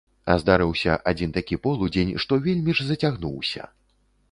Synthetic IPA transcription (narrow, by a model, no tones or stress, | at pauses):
ɐ̰zd̪aɾɨwsʲɐ̰ʔad͡zʲint̪akʲipɔlˠud͡zʲenʲʂt̪ɔvʲelʲmʲiʐzɐt͡sʲaɣnuwsʲɐ̰